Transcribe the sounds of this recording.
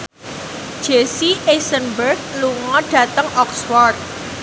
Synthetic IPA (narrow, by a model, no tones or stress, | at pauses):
d̥ʒ̥esiʔesənbərɡ̚luŋɔɖ̥ä̤t̪əŋʔɔkswɔrt̪̚